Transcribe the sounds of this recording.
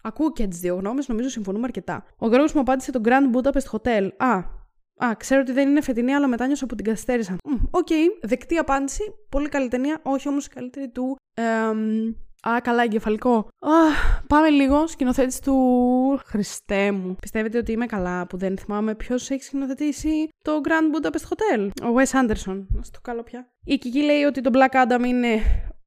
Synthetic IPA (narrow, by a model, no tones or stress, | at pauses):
ɐkuoceet̪izðio̞ɣno̞mezno̞mizo̞siɱfo̞numeɐɾce̞t̪ɐ̰ | oɣɾoɣozmuɐpɐnd̪ise̞t̪o̞ɡɾɐnd̪but̪ɐpest̪o̥xo̞t̪e̞lɐ | ɐkseɾoot̪iðe̞nine̞fet̪iniɐlɐmet̪ɐɲo̞sɐpot̪̬iɡɐθi̥st̪e̞ɾisɐoce̞iðekt̪iɐpɐnd̪isipo̞likɐlit̪e̞niɐʔo̞çio̞mosi̥kɐlit̪e̞ɾit̪u | mɐkɐlɐeɲɟefɐliko̞ɐpɐme̞liɣo̞scino̞θet̪isi̥t̪uxɾist̪emupi̥st̪eve̞t̪eot̪iimekɐlɐpuðenθimɐme̞pço̞seçi̥scino̞θe̞t̪isit̪o̞ɡɾɐnd̪bud̪ɐpest̪xo̞t̪e̞lowesɐnd̪e̞ɾso̞nɐst̪o̥kɐlopçɐ | icicile̞io̞t̪it̪o̞blɐkɐd̪ɐmine̞